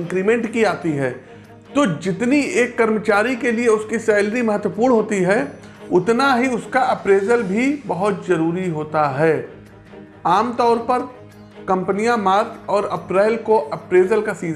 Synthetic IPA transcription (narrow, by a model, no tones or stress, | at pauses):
ŋkɾiːmɛ̃ɳʈkiaːt̪iɦɛː | t̪oːd͡ʒɪt̪nieːkːɐɾmət͡ʃaːɾikelieʊskiseːlɾimɐɦət̪wəpuːɾɳɦoːt̪iɦɛ | ʊt̪naɦiʊskaʔɐpɾeːzəlbʱibɐɦʊt̪zɐɾuːɾiɦoːt̪aɦɛː | aːmt̪ɔːɾpɐɾ | kɐ̃mpnijamaːɾt͡ʃɔːɾɐpɾaːɪlkoʔɐpɾeːzəlkasiː